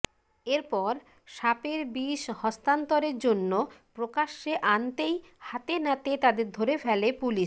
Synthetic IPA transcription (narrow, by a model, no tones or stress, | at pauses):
eɾpɔɾ | ʃapeɾbiʃhɔst̪ant̪oɾeɾd͡ʑonːopɾokaʃːeʔant̪ej | hat̪enat̪et̪ad̪eɾd̪ʱoɾefɛlepuliʃ